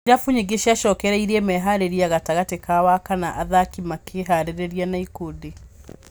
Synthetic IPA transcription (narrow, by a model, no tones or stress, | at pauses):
iɾafuɲeɡeʃiaʃɔːkɛɾɛiɾiemɛɦaɾeɾiaɣataɣatekawakanaʔaðakimakʰeɦaɾeɾɛɾianaikode